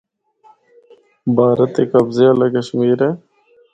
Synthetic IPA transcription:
baːɾɐt̪ːekɐbzeɐlɐkɐɕmiːɾeː

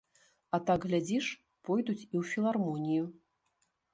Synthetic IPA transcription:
at̪aɡɣlʲad͡zʲiʂ | pɔjd̪ut͡sʲiwfʲilˠarmɔnʲiju

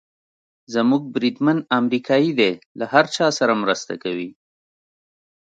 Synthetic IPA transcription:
zamuɡ̚bɾid̪manamɾikʰɑjid̪elahaɾt͡ʃɑsaɾamɾəst̪a̰kawi

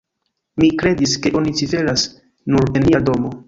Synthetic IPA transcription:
mikɾe̞diske̞ʔo̞nit͡sife̞ɾas | nuɾe̞nmiado̞mo̞

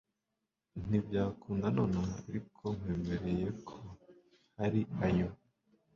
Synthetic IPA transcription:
n̥ibɟaːkuːndano̞ːnaaɾikʰo̞ŋ̥weːme̞ɾe̞je̞kʰo | haɾiajo

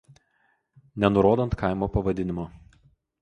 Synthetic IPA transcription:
nʲɛnʊɾoːd̪ɐnt̪kɑˑɪmoːpɐʋɐd̪ʲɪnʲɪmoː

